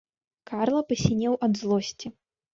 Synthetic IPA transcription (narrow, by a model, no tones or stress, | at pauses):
kʰarlˠɐpɐsʲinʲɛwʔɐd̪zlˠɔsʲt͡sʲi